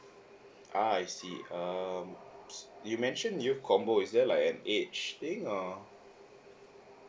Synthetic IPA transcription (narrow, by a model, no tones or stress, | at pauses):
ʔaajsiʌmsjumɛ̃nʃə̃njukʰɔ̃mboisdɛlaɪkɛ̃net͡ʃt̪ĩŋɔ